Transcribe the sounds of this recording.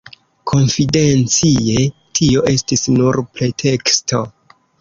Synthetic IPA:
kʰo̞nfide̞nt͡sie̞tʰio̞ʔe̞stisnuɾpɾe̞tʰe̞ksto̞

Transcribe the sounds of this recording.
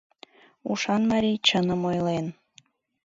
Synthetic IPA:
uʃɑnmɑɾʲijt͡ɕənəmojlen

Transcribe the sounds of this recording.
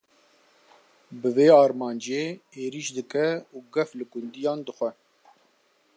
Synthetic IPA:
bɨveːɑːɾmɑːnd͡ʒeːeːɾiʃd̪ɨkɛuːɡɛflɨkʊnd̪ijɑːnd̪ɨxʷɛ

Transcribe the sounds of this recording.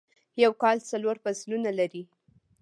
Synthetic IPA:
jawkɑlt͡saloɾfaslunalaɾi

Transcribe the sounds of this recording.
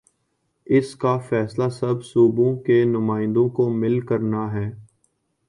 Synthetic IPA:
ɪskafɛːslaslɐbsuːbõkenʊmaːɪ̃nd̪õkomɪlkəɾnaɦɛː

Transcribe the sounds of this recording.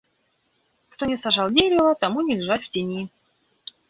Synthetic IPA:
kt̪onʲɪsaʐalˠdʲeɾʲɪvət̪amunʲɪlʲɪʐatʲftʲɪnʲi

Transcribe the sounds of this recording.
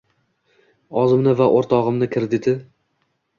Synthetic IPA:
ɒzɪmnɪvaʔoɾt̪ʰɒʁɨmnɪkʲʰɪɾd̪ɪt̪ɪ

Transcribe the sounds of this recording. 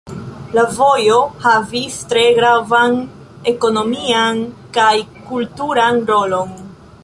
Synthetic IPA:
lavo̞jo̞havistɾe̞ɡɾavan | e̞ko̞no̞miankajkultuɾanɾo̞lo̞n

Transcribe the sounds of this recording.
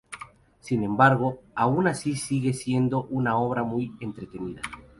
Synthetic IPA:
sinẽ̞mbaɾɣo̞aunasisiɣe̞sje̞nd̪o̞ʔunao̞βɾamujent̪ɾe̞t̪e̞niða

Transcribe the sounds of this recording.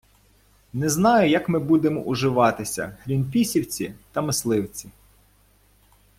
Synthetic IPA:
nɛznɑjʊjɐkmɪbud̪emɔ̰ʔʊʒɪʋɑt̪ɪsʲɐ̰ɦɾʲinpʲisʲiwt͡sʲit̪ɐmɪslˠɪwt͡sʲi

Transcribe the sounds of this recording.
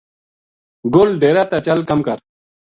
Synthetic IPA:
ɡolɖeːɾaːt̪at͡ɕəlkɐmkəɾ

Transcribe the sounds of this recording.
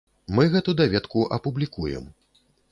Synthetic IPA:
mɨɣɛt̪ud̪avʲɛt̪kuʔɐpublʲikujɛ̰m

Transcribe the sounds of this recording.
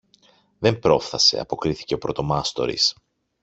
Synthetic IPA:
ðe̞mpɾo̞fθɐse̞̰ɐ̰po̞kɾiθi̥ce̞o̞pɾo̞t̪o̞mɐst̪o̞̰ɾḭs

